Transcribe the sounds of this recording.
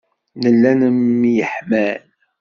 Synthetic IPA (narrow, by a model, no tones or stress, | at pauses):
nəlːænəmːjəħmæl